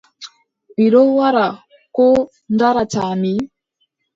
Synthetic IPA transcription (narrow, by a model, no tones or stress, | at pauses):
iɾowaɾa | ko | ndaɾatami